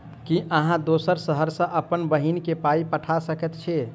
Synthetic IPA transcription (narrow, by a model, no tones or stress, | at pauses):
kiʔəɦãd̪osəɾsəɦəɾsə̃ʔəpənbəɦinkepaipəʈʰasəkɛt̪t͡ʃʰe